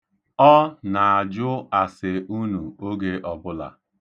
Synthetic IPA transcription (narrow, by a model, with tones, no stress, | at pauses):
ɔ˦na˨a˨d͡ʒʊ˦a˨sɪ˨u˦nu˨o˦ɡe˦ʔɔ˨bʊ˦la̰˨